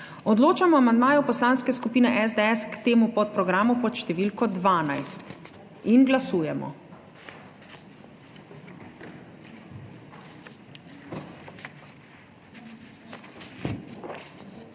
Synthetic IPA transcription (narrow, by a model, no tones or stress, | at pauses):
ɔd̪loːt͡ʃamɔamand̪maːjɔpɔslaːnskɛskupiːnɛʔɛzd̪ɛɛskt̪eːmupɔt̪̚pɾɔɡɾaːmupɔt̪ʃt̪ɛʋiːlkɔd̪ʋaːnajst̪ | inɡlasuːjɛmɔ̰